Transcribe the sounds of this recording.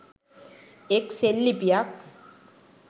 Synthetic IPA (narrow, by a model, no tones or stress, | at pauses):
ekselːipijak